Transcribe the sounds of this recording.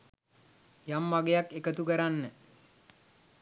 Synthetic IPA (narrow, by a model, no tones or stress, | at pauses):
jamːaɡejakːekət̪ukəɾanːə